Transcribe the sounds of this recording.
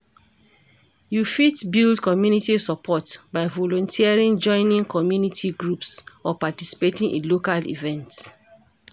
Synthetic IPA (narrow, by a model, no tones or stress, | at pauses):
jufitbildkɔmjunitisɔpʰɔtbaɪvɔlɔ̃ntʰiaɹĩnd͡ʒɔ̃ɪ̃nĩŋkʰɔmjunitʰiɡɹupsɔpatisi̥petĩŋʔḭ̃nlokalḭvɛ̃nts